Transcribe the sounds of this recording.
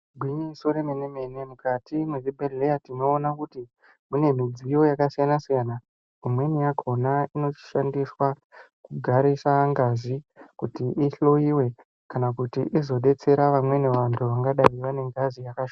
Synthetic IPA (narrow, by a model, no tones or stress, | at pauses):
ɡʱwiɲisoɾemeneme̞ne̞mukatimweʐibʱeejatino̞ːnakuti | mune̞mid͡zijo̞jakasijanasijana | umwe̞nijakʰo̞naino̞t͡ʃi̥ʃandiswa | kuɡʱaɾisaŋɡazikutiʔiɬo̞iwe̞ | kanakutiʔizo̞ɗe̞t͡se̞ɾaʋamwe̞ne̞ʋantʰuʋaŋɡaɗaiʋane̞ŋɡazijakaʃo